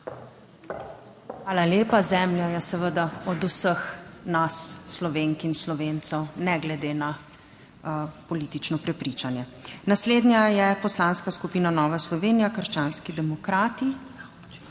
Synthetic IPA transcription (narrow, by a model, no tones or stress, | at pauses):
xʋaːlaljeːpazɛmljajɛsɛʋəd̪aɔd̪usəxnasːlɔʋeːŋkinslɔʋeːnt̪sɛwnɛɡlɛd̪eːna | pɔliːt̪it͡ʃnɔpɾɛpɾit͡ʃanjɛnasleːd̪njajɛpɔslanskaskupiːnanɔːʋaslɔʋeːnijakəɾʃt͡ʃaːnskid̪ɛmɔkɾaːt̪i